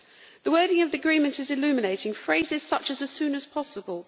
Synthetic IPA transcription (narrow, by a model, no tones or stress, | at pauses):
ðəwɜːɾɪ̃ŋəvðiəɡɹĩːmə̃ntɪzɪlʉːmɪneɪtʰɪ̃ŋfɹeɪzɪz̥sʌt͡ʃəzəz̥sʉ̃ːnəz̥pʰɒsəbəlˠ